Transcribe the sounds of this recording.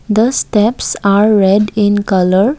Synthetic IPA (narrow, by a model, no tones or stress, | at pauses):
d̪əsʈɛpsaɾːɛɖĩnkʌləɾ